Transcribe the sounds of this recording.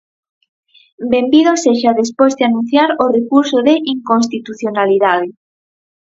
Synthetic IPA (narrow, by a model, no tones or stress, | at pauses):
bembiðoseʃaðespozðeanũn̟θjaɾorekuɾsoðeʔiŋkons̬t̪it̪uθjonaliðað̞e